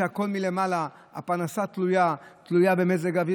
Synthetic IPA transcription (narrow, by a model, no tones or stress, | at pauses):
ako̞lmile̞mala | a̰panasat̪lujat̪lujabe̞mezeɡavi